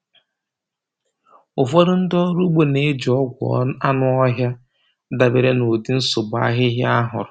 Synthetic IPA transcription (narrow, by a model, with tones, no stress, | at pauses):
ʊ˨fɔ˦ɾʊ˦n̩˦dɔ˦ɾu˦ɡ͡bo˨ne˦˨˦d͡ʒɔ˦ɡʷɔ̰a˦nʊ˦ɔ˦ɦja˦ | da˨be˨ɾe˦no˨di˦n̩˦sʊ˨ɡ͡ba̰˦ɦɪ˦ɦja˦ɦʊ̰˨ɾʊ˨